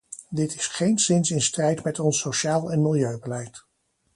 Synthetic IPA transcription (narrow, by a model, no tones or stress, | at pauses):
dɪtɪsχejnsɪnsɪnstrɛjtmɛtɔnsoʃaːlˠɛnmɪlˠjøɥbəlɛjt